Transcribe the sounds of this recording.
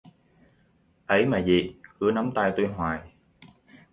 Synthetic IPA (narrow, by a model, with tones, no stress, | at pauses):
ʔə˨˦jmaː˨˩zi˨˩kɨ˨˦əna˨˦mt̪aː˧jt̪u˧jɦwaː˨˩j